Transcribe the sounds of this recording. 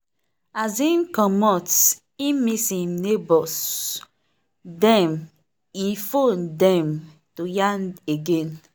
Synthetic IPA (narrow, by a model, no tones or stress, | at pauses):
azĩnkɔmɔt | imisĩmnebɔs | dɛ̃m | ifõndɛ̃m | tojãndeɡẽn